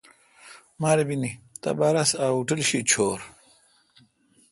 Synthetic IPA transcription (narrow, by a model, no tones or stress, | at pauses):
maːɾebinit̪a̰baːɾasaːuʈəlɕit͡ɕʰoːɾ